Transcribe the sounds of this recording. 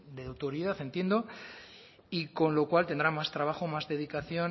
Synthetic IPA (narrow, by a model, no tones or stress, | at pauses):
d̪eawt̪oɾiðaθe̞nt̪je̞nd̪o̞ | iko̞nlo̞kwalt̪e̞nd̪ɾamast̪ɾaβ̞axo̞mazðe̞ðikaθjo̞